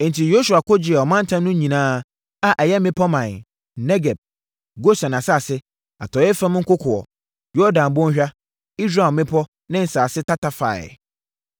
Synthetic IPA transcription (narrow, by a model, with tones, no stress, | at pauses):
n̩˨tʰi˨jo˦su˨a˨kʊ˦d͡ʑɪ˨ɛ˨ɔ˨mã˦n̩˦tʰã˦nʊ̃˦ɲĩ˨nãː˦ | a˨ʔɛ˨jɛ˦mɪ̃˦pʰɔ˦mã˨n˨ | nɛ˦ɡɛ˨b̚ | ɡo˦sã˨n˨a˨sa˦˨sɪ˦ | a˨tʰɔ˨˦ɛ˦fɛ̃˦m˦ŋ̩˦kʊ˦kʰʊ˨ɔ̰˨ | jɔ˦dã˨m̩˨bʊ̃˦ɲ˦ɕᶣa˦ | i˦sɾa˨mɪ̃˦pʰɔ˦ | nɪ̃˦n̩˨saː˨sɪ˦tʰa˦ta˨fa̰˨